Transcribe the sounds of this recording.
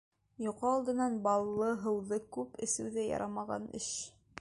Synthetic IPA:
jŏqɑːlˠd̪ɤ̆nɑnbɑlˠːɤɦɤ̆wðɤkʉpɘ̆sɘ̆wðæjɑ̰ɾʔɑmɑʁɑ̰nɘ̰ʃ

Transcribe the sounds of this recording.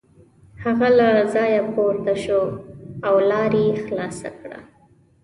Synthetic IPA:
haɣalazɑjapoɾt̪aʃoawlɑɾexlɑsa̰kɽa̰

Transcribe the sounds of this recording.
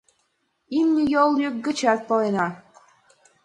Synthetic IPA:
imnʲijolˠjyk̚ɡə̆t͡ɕɑt̪̚poenɑ

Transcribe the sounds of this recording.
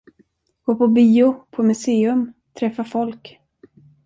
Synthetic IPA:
ɡ̥oːpʰɔbiːʊpʰɔmɵseːɵmt̪ʰɾɛfːafɔlk

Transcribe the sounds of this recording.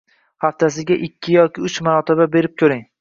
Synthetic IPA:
haft̪ʰasɪɡʲaʔɪkʲʰːɪjɒkʲɪʊt͡ʃmaɾɒt̪ʰɪbabe̞ɾɪp̚kʰʲɵɾɪŋ

